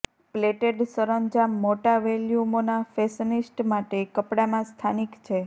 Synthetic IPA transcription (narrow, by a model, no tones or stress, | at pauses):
pleʈeɖsəɾəɲd͡ʒamːoʈaʋeljumonafesənisʈmaʈekəpɽamãst̪ʰanikt͡ʃʰe